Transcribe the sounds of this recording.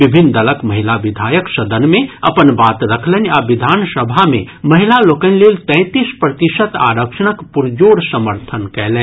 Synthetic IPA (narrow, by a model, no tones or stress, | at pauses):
ʋɪbʱɪnd̪ɐləkmɐɦɪlaʋɪd̪ʱaːjəkʃɐd̪ənmẽɐpənbaːt̪ɾɐkʰlenaːʋɪd̪ʱaːnsəbʱamẽmɐɦɪlaloːkənleːlt̪ɛ̃ːt̪ispɾət̪ɪʃət̪a̰ːɾəkʃəñəkpʊɾd͡ʒoːɽsəməɾt̪ʰənkɛɦleː